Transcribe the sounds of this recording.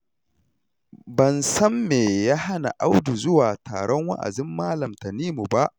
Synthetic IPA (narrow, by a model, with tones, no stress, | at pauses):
bɐ˨nsɐ˦mːeː˨jaː˦ha˦na̰˨ʔa˦wdu˨zʊ˦waː˨ta̰ː˨ɽɔ˦ŋwa̰˦ʔa̰˨dɪ˦mːaː˦lɐ˨mtɐ˨niː˦mu˨ba˦ʔ